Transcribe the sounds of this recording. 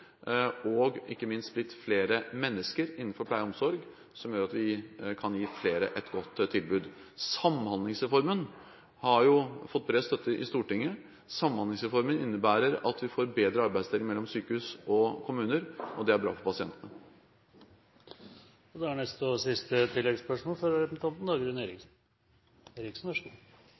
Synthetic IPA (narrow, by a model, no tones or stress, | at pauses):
ɔɡɪkːəmɪnst̪̚blɪt̪ːfleːɾəmɛnːəskəɾɪnːn̩fɔɾpʰlæɪəɔmsɔɾɡ | sɔmjøːɾɑt̪ʋɪkʰɑnjiːfleːɾə̰ʔɛt̪ɡɔt̪ːt̪ʰːɪlbʉːd̪ | sɑmhɑnd̪lɪŋsɾɛfɔɾmən | hɑɾjʊfɔt̪̚ːbɾeːst̪œt̪ːəʔɪ̰st̪uːʈɪŋːə | sɑmːhɑnd̪ɪŋsɾɛfɔɾmənɪnːəbæːɾəɾɑt̪ʰʋɪfoːɾbeːd̪ɾəɑɾbæɪst̪eːlɪŋmɛlːɔmsyːkəhʉːsɔkʰʊmʉːnəɾʔɔd̪ɛæɾbɾɑ̰ːfɔɾpɑsɪɛ̰nt̪ənə | ɔd̪ɛæɳɛst̪ɔsɪst̪ət̪ʰɪlːɛɡspœʂmoːlfɔɾɛpn̩t̪ʰɑnt̪n̩d̪ɑːɡɾɛneːɾɪksn | eːɾɪksn̩ʋæʂ